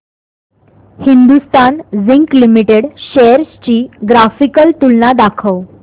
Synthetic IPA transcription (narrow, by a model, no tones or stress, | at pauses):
hind̪ust̪anziŋklimiʈeɽɕeɾst͡ɕiːɡɾafikəlt̪ulnad̪akʰəw